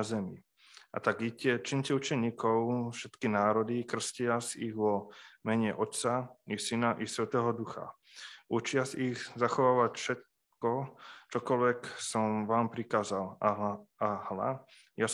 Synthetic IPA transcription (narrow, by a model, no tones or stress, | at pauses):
zɛmi | ʔa̰t̪aɡicɛt͡ʃiɲcɛut͡ʃɛɲiːkɔʊfʃɛt̪kinaːɾɔd̪ikr̩scɪasiɣʋɔmɛɲɛʔɔt̪t͡saisinaʔisʋɛt̪ɛːɦɔd̪uxa̰ | ʔut͡ʃɪasiɣzaxɔʋaːʋacfʃɛt̪̚ | kɔt͡ʃɔkɔlʋɛksɔmʋaːmpɾikaːzalaahla̰ | ja